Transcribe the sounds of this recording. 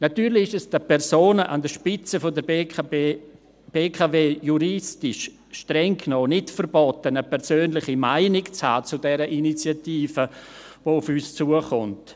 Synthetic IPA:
natyːɾlɪɪʃɛsd̥əpʰɛɾsoːnəʔa̰ndəʃpɪt͡səfodə | b̥eːkʰaveːjuɾɪstɪʃ | ʃtrɛŋkʰnoːnɪtfəɾbɔtənəpʰɛɾsøːnlɪχimaɪnɪkt͡shaːt͡sudɛɾəʔinit͡sjatiːfəvoːufyːst͡suəχʊnt

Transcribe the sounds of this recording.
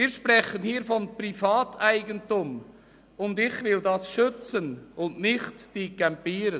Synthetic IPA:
iːɾʃpʁɛχənhiːɾfɔnprifɑːtaɪɡəntʊm | ʊndɪçvɪldɑsʃʏt͡sənʔʊndnɪχtd̥iːkɛmpiːɾə

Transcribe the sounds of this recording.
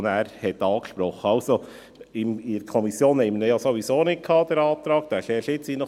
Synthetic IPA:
næːɾhɛt̪ːɑːkʃpɾɔχəɑʊso | ɪmiɾəkʰɔmisjoːnhɛɪməndɛjɑsoʋisoːnɪt̚kʰɑːd̪ɛɾɑːt̪ɾɑːk̚d̪̥æʃɛːʃɪt͡siːnɔ

